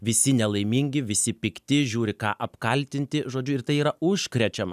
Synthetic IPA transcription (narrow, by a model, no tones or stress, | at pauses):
ʋʲɪsʲɪnʲɛlˠɐɪmʲiːŋʲɡʲɪʋʲɪsʲɪpʲɪkt̪ʲɪʒʲuːɾʲɪkɑːʔɐpkɐlʲt̪ʲɪnʲt̪ʲɪʒoːd͡ʒʲʊɪɾt̪ɐɪiːɾɐʊʃʲkɾʲɛt͡ʃʲɛmɐ